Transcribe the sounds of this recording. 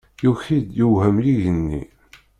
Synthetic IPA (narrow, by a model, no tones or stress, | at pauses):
juçid̪juwhəmliʝənːḭ